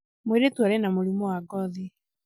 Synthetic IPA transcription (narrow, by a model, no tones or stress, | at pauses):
mweɾetwaɾɛnamoɾimɔaɡɔði